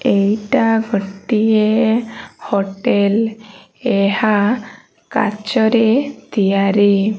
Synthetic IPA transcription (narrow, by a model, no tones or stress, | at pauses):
ejʈaɡʱɔʈie | hoʈel | eɦa | ka̰t͡ʃɔɾet̪ijaɾi